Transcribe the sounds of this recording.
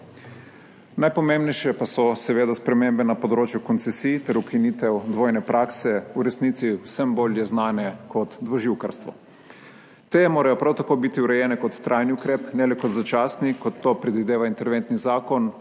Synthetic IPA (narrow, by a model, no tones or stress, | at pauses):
najpɔmembnɛjʃjɛpasɔsɛʋeːd̪aspɾɛmeːmbɛnapɔd̪ɾoːt͡ʃjukɔnsɛsiːjt̪ɛɾukiniːt̪ɛwd̪ʋoːjnɛpɾʔaːksɛuɾɛsniːt̪siwsɛmboːljɛznaːnɛkɔt̪d̪ʋɔʒiwkaɾst̪ʋɔ̰ | t̪emoːɾajɔpɾawt̪akoːbit̪iuɾɛjɛːnɛkɔt̪ːɾʔajniukɾeːpnɛlɛkɔt̪zat͡ʃaːsnikɔt̪ːopɾɛd̪ʋid̪eːʋaint̪ɛɾʋent̪nizaːkɔn